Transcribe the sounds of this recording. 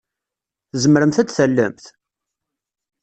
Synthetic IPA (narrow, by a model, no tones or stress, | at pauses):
θzəməɾəmθæt͡sθælːə̰mθ